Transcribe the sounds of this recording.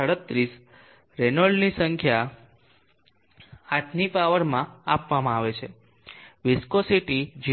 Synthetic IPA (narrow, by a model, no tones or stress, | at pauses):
əɽət̪ːɾis | ɾenəɭɖnisəŋkʰja | aʈʰnipaʋəɾmãapʋamãaʋet͡ʃʰe | ʋɪskosiʈid͡ʒ